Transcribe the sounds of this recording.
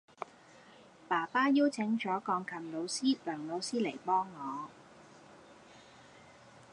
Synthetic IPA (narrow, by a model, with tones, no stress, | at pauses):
paː˨˩paː˥jiː˥wt͡sʰɪ˨˥ŋt͡ʃɔː˨˥kɔː˧ŋkʰɐ˨mlo˨˧wsiː˥lœː˨˩ŋlo˨˧wsiː˥le˨˩jpɔː˥ŋːɔː˨˧